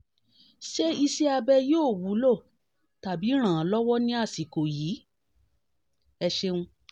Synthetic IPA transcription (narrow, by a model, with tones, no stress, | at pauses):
ʃe˦i˧se˦a˧bɛ˧joː˦˨wu˨˦lo˦˨ | ta˨bi˨˦ɾ̃ã˨˦lɔ˦wɔ˦nĩ˦a˦˨si˨ko˨jiː˨˦ | ɛ˧ʃe˦ũ˧